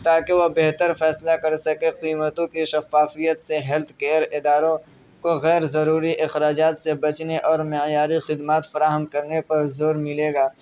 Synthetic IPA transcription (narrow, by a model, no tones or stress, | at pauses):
t̪aːkeʋobeɦt̪əɾfɛːslakɐɾsɐkeqiːmət̪õkiʃɐfaːfijət̪seɦɛlt̪ʰkeːɾɪd̪aːɾõ | koɣɛːɾzɐɾuːɾiʔɪxɾaːd͡ʒaːt̪sebɐt͡ʃneʔɔːɾmejaːɾixɪd̪maːt̪fɐɾaːɦəmkɐɾnepɐɾzoːɾmɪleːɡaː